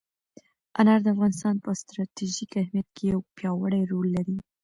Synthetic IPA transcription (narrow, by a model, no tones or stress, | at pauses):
ʔanaɾd̪əafɣɑnɪst̪ɑnpəst̪ɾɑt̪iʒikahmijat̪̚kʰejawpjɑwaɽajɾolːaɾi